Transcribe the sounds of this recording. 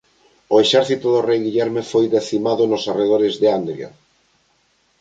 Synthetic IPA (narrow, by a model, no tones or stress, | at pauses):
oeʃɛɾθit̪ʊðorejɣiʎɛɾmefojðeθimaðʊnosareð̞oɾɪzðeand̪ɾja̰